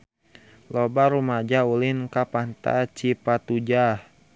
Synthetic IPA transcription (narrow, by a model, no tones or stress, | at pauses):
lɔbaɾumad͡ʒaulinkapant̪a̰t͡ʃipat̪ud͡ʒah